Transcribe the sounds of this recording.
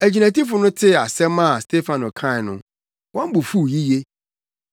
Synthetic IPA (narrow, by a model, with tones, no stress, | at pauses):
æ˨d͡ʑi˨næ̃˨ti˦fʊ˨nʊ̃˦tʰɪ˦a˨sɛ˦mã˦˨stʰe˦fã˨nʊ˨kʰã˦˨nʊ̃˨ | wɔ̃˦m˦bʊ˨fu˦˨ji˦je˦